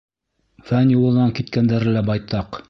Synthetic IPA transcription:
fænjulˠɤ̆nɑŋkit̪kænd̪æɾɘ̆læbɑjt̪ɑq

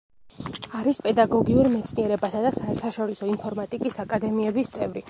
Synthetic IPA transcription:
aɾispʼɛd̪aɡɔɡiuɾmɛt̪sʰniɛɾɛbasad̪asaɛɾt̪ʰaʃɔɾisɔimpʰɔɾmat̪ʼikʼisakʼad̪ɛmiɛbist̪sʼɛvɾi

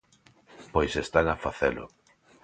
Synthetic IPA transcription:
pojsest̪aŋafaθelʊ̰

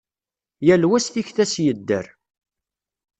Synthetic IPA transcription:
jælwæsθiçθæsjəd̪ːə̰ɾ

